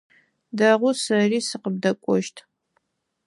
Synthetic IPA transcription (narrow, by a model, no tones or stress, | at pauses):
dɐʁʷʊsɐriːsɨqəb̚dɐkʷʼɔʃtʰ